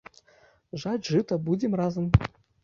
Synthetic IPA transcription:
ʐadʲʐɨt̪ɐbud͡zʲɛmrazɐm

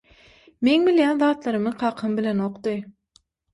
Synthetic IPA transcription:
me̞ŋbilʲjæːnðɑːt̪lˠɑɾɯmɯqʰɑːqʰɯmbilʲenoqt̪ɯj

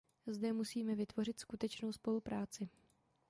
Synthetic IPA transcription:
zdɛmusiːmɛvɪt̪vo̞rɪt̪skut̪ɛt͡ʃno̞wspo̞lupɾaːt͡sɪ

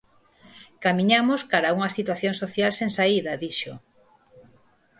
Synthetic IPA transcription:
kamĩɲamoskaɾauŋɐsit̪waθjoŋsoθjalseŋsaiðɐðiʃo

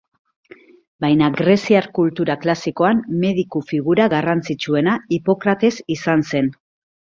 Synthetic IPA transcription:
bajnaɡɾe̞siaɾkult̪uɾaklasiko̞amme̞ð̞ikufiɣ̞uɾaɣarant͡sit͡ʃue̞naipo̞kɾat̪e̞sisanse̞n

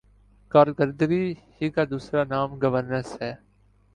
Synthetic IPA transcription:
kaːɾkəɾd̪əɡiːhiːkaːd̪uːsɾaːnaːmɡəʋəɾnəsɦɛː

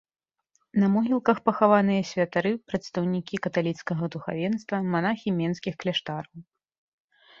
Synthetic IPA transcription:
nɐmɔɦʲilˠkɐxpɐxavanɨjɐsʲvʲɐt̪aɾɨpɾɐt̪st̪ɐwnʲikʲikɐt̪alʲit̪skɐɣɐd̪uxa̰vʲɛnst̪vɐmanaxʲimʲɛnskʲixklʲɛʂt̪aɾɐw

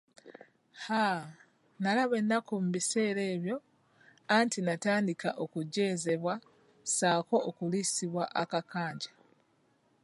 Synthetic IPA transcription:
ha | nalaβe̞nːakomuβise̞ːɾe̞ːβjo̞ | antʰinataːndikaʔokuɟːe̞ːze̞βwa | saːko̞ʔːkulisiβwaʔakakaːɲɟa

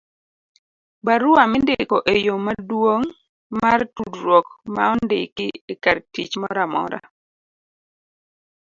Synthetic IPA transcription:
baɾʊamɪndɪkoʔejomadwoŋ | martudɾwɔkmaɔndɪ̰kɪekartit͡ʃmɔɾamɔ̰ɾa̰

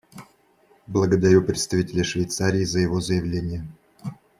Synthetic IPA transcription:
blˠəɡəd̪ɐɾʲupɾʲɪt̪st̪ɐvʲitʲɪlʲəʂvʲɪjt̪saɾʲɪːzəjɪvozəjɪvlʲenʲɪjə

